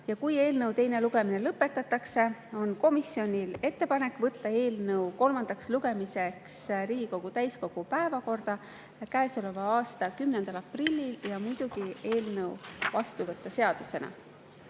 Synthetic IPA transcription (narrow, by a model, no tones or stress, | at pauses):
jɑkuje̞ːlnɤwt̪e̞jne̞luɡ̥e̞mine̞lɤpːˑe̞t̪ːˑɑt̪ːˑɑkse̞o̞nko̞misːio̞nʲile̞t̪ːe̞pɑne̞kːˑvɤt̪ːɑe̞ːlnɤwko̞lmɑnd̪̥ɑksluɡe̞mise̞ksɾiːɡ̥iko̞ɡ̥ut̪æjsko̞ɡ̥upæevɑko̞rd̪̥ɑ | kæesole̞vɑɑːst̪ɑkymnend̪̥ɑlɑprilʲːiljɑmujd̪̥uɡ̥ie̞ːlnɤwvɑst̪uvɤt̪ˑːɑse̞ɑd̪̥use̞nɑ̰